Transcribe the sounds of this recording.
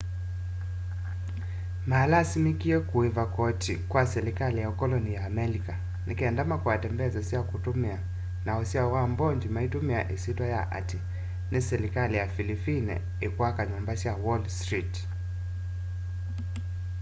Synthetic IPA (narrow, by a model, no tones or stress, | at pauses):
maːlasimikiɛkuivakɔtikwasɛɾikalijakɔlɔnijaːmɛlika | nikiɛndamakuwatɛmbɛazasijakutumia | naɔsiawambɔɲd͡ʒimaitumia̰ʔisitwaja̰ʔa̰ti | nisɛɾikalijafilipinɛ̰ | ikwakaɲɔmbasiawɔlstɾit